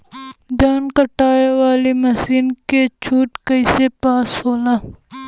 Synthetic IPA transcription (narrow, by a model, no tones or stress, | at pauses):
d̪aːnkɐʈaːewaːlimɐsiːnket͡ʃʰuːʈkɐisepaːshoːlaː